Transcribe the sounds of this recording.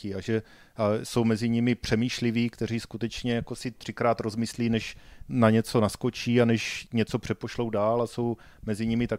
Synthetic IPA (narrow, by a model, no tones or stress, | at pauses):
ɪaʒɛ | aso̞wmɛzɪɲɪmɪpr̝̥ɛmiːʃlɪviːkt̪ɛr̝iːskut̪ɛt͡ʃɲɛjako̞sɪt̪r̥ɪkɾaːt̪ɾo̞zmɪsliːnɛʃnaɲɛt͡so̞nasko̞t͡ʃiːanɛʃɲɛt͡so̞pr̝̥ɛpo̞ʃlo̞wdaːlasow | mɛzɪɲɪmɪt̪a